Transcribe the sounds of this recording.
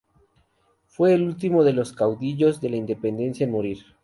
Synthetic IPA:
fwe̞ːlult̪imo̞ðe̞lo̞skawðiʝo̞zðe̞laind̪e̞pe̞nd̪e̞nsjaenmoɾiɾ

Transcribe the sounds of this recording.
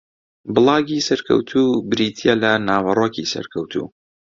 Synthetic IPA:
bɨlˠɑːɡiːsɐɾkʰɐ̰wt̪ʰuːbɨɾiːt̪ʰijalɐnaːwɐrˤoːkʰisɐ̰ɾkʰɐwt̪ʰṵː

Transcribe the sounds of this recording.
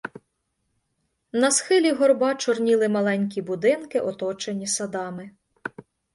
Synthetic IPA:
nɐsxɪlʲiɦɔrbɑt͡ʃɔrnʲilˠɪmɐlˠɛnʲk̬ʲibʊd̪ɪnkɪʔɔt̪ɔt͡ʃenʲisɐd̪ɑmɪ

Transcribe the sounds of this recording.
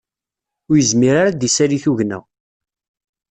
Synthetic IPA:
ʊɾjəzmiɾaɾad̪isæɾiθuʝnæ̰

